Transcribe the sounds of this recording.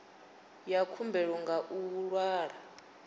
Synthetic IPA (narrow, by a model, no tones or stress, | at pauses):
jakʰumbʱɛɺɔŋɡʱaʔuwuɺwaːɺa